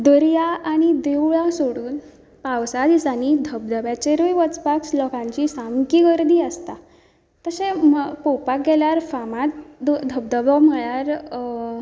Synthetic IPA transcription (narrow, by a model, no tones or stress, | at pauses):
d̪əɾjaaɽ̃id̪eʋɭasoɽuːn | pawsad̪isanid̪ʱəb̚d̪əbjat͡ɕeɾujʋət͡spakslɔkãɲt͡ɕisamkiɡəɾd̪ʱiːəst̪a | t̪əsẽmpɔwpak̚ɡɛljaɾfamat̪d̪d̪ʱəb̚d̪əbɔm̤əɭjaɾ